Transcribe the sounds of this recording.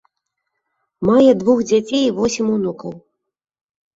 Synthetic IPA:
majɛd̪vuxd͡zʲat͡sʲejivɔsʲimʲunukɐw

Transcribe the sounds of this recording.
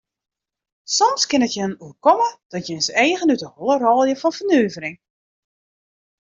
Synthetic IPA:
sɔmskɪnətjəənuəkɔməd̥ɔtjənseːɣənytəholˠərɔːlˠjəfɔnfərnøːvəɾɪŋ

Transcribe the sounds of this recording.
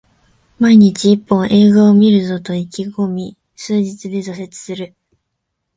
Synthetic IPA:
maiɲ̟it͡ɕiːpːõ̞ɰ̃ʔe̞ːɡoːmʲiɾɯ̟zo̞t̪o̞ikʲiɡo̞mʲi | sɨːʑit͡sɨd̪e̞zose̞t͡sɨ̥sɨɾɯ̟

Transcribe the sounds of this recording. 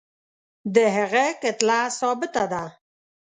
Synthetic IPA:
d̪əɦaɣeket̪lasɔbɪt̪ad̪a

